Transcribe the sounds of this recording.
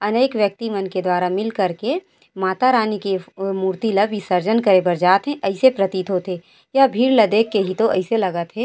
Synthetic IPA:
ɐneːkʋjək̚t̪imɐnked̪waːɾamɪlkɐɾke | maːt̪aɾaːnikemuːɾt̪ilɐbʱisɐɾd͡ʒənkəɾebɐɾd͡ʒaːt̪ɦɛ̃ʔəɪsepɾɐt̪iːt̪ɦot̪ʰe | jabʱiːɾlɐd̪eːkːeɦit̪oʔɐɪselɐɡət̪ɦeː

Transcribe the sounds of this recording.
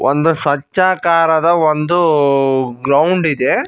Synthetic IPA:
ʔond̪uʃɐt͡ʃːaːkaːɾɐd̪ɐʋond̪u | ɡɾɐwɳɖid̪e

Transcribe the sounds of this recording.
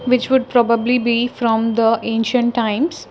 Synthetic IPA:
ʋɪt͡ʃʋʊɖ̚pɾɔːbəblibifɾɔ̃md̪əʔẽːnʃə̃ɳʈːãɪ̃ms

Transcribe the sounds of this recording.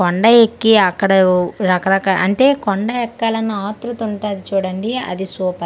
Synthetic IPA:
kɔɳɖɐekːiɐkːɐɽɐɾɐkɐɾɐkɐʔɐɳʈe̞ːkɔɳɖɐɛkːaːlɐnːɐaːt̪ɾut̪uɳʈaːd̪it͡ʃuːɽɐɳɖiɐ̰d̪isuːpɐ

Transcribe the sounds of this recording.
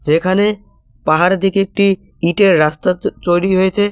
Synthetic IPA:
d͡ʑekʰane | paɦaɾd̪ʱikeek̚ʈi | iʈeɾːast̪at͡ɕojɾiɦojet͡ɕʰe

